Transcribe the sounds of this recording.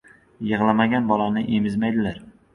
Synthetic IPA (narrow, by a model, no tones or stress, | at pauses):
jɨʁlˠamaɡʲanbɒlanɪʔemɪzmajd̪ɪlaɾ